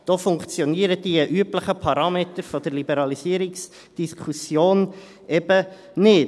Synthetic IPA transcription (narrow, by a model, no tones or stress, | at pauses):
d̥ofʊŋkt͡sjɔniəɾəd̥iʔyəpləχəpʰɑɾɑːmetəɾfɔdəɾlibɛɾɑlisiəɾiks | d̥iskʰusjoːn | ɛb̥ə | nɪ